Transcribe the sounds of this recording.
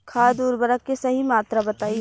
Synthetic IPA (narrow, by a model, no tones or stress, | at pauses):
kʰaːd̪uːɾbəɾəkːesɐɦimaːt̪ɾabɐt̪aːi